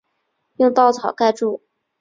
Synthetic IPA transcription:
jʊ˥˧ŋt̪ɑ˥˩ʊt͡sʰɑ˨˩ʊka˥˧ɪʈ͡ʂu˥˩

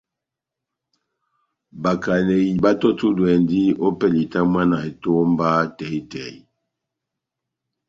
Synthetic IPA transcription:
ba˨ka˨ne˨ji˨ba˦tɔ˦tu˦dwɛ˨ndi˦o˦pɛ˦li˨ta˦mwa˦na˨e˨to˦m˦ba˦tɛ˨˦i˦tɛ˨i˦

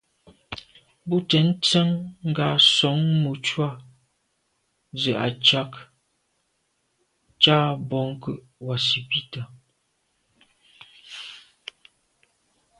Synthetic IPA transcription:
bu˦tɛ˨˦n̩˦t͡sɛ˦ŋŋ̩˦ɡa˨sɔ˨˦ŋmu˨t͡ʃwa˦˨ | zə˨ʔa̰˨t͡ʃa˦k | t͡ʃa˦bɔ˨ŋ˦kə˦ʔwa˨si˨pi˦ta˨

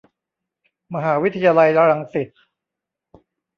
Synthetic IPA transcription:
ma˧ɦaː˩˦wi˦˥t̪ʰa˧jaː˧la˧ja˧ɾa˧ŋsi˨˩t̪̚

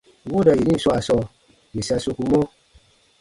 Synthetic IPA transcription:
wo˦da˨je˨ɲĩ˦˨swa˨sɔ˧ | mi˨sa˧so˧ku˧mɔ˦

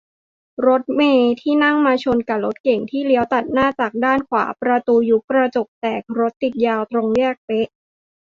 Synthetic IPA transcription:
ɾo˦˥t̪̚meː˧t̪ʰiː˥˩na˥˩ŋmaː˧t͡ɕʰo˧nka˨˩lo˦˥t̪̚ke˨˩ŋt̪ʰiː˥˩li˦əwt̪a˨˩t̪̚naː˥˩t͡ɕaː˨˩k̚daː˥˩nkʰwaː˩˦pɾa˧t̪uː˧ju˦˥kːɾa˧t͡ɕo˨˩p̚t̪ɛː˨˩k̚ɾo˦˥t̪ːi˨˩t̪̚jaː˧wt̪ɾo˧ŋɾi˥˩ək̚p̪e˦˥ʔ

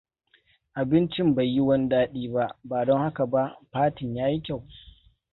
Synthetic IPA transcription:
ʔa˨bɪ˦nt͡ʃɪ˦mba˨jːi˦wɐ˦n˦daː˦ɗiː˦ba˦ʔbaː˨dɔ˦ŋha˦ka˨ba˦ʔɸaː˦tɪ˨ɲjaː˦ji˦kʲa˦˨w

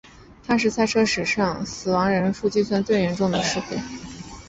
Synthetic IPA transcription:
t̪ʰa˥ʂ̬ɻ̩˥˧t͡sʰa˥˩ɪʈ͡ʂʰɤ˥ʂɻ̩˨˩ʂɑ˥˩ŋsɹ̩˨˩wɑ˧˥ŋɻə˧˥nfu˥˩t͡ɕi˥sʰwa˥nt͡swe˥˩ɪɥɛ˧˥nʈ͡ʂʊ˥˩ŋd̪ə˩ʂɻ̩˥˧xṵ˥˩

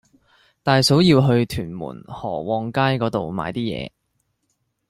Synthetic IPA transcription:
t̪aː˨˧jso˨˥wjiː˧wɦɵ˧ɥt̪ʰyː˨˩nmṵː˨˩nhɔ̰ː˨˩wɔː˨˧ŋkaː˥jkɔː˨˥t̪o˨wma̰ː˨˧jt̪iː˥jɛ̰ː˨˧

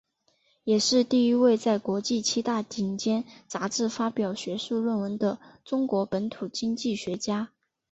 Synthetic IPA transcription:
jɛ˨˩ʂɻ̩˥˧t̪i˥˩i˥we˥˧ɪt͡sa˥˩ɪkwɔ˧˥t͡ɕi˥˩t͡ɕʰi˥t̪a˥˩t͡ɕi˧˥˩ŋt͡ɕjɛ˥nt͡sa˧˥ʈ͡ʂɻ̩˥˩fa˥pjɑ˨˩ʊɕɥɛ˧˥ʂu˥˧ɻwə˥˩nwə˧˥nd̪ə˧ʈ͡ʂʊ˥ŋkwɔ˧˥pə˧˥nt̪ʰu˨˩t͡ɕi˥ŋt͡ɕi˥˩ɕɥɛ˧˥t͡ɕja˥

